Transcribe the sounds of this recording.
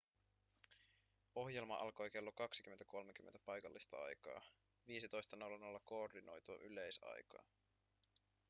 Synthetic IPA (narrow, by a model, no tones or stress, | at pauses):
o̞hje̞lmɑ̰ʔɑ̰lko̞jke̞lːokɑksik̟ymːent̪æko̞lmekymːent̪æpɑjkɑlːist̪ɑɑ̰jkɑ̰ː | ʋiːs̬it̪o̞jst̪ɑnolɑnolːɑkoːrdino̞̰jt̪uɑ̰ʔyle̞jsɑ̰jkɑ̰ː